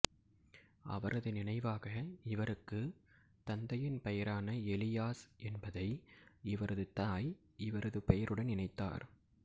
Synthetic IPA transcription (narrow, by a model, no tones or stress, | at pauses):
ʔɐ̰ʋɐɾʔɐðɯnɪnɐɪʋaːɣɐɪʋɐɾɯkːɯ | t̪ɐnd̪ɐjɪnpɛjɐɾaːnɐɛlɪjaːsʔɛnbɐðɐɪɪʋɐɾɐðɯt̪aːj | ɪʋɐɾɐðɯpɛjɐɾʔɯɽɐnnɪnɐɪt̪ːa̰ːɾ